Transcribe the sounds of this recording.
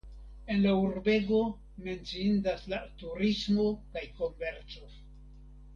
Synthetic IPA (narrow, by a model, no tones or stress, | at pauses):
e̞nlauɾbe̞ɡo̞ | me̞nt͡siindaslatuɾismo̞kajko̞mve̞ɾt͡so̞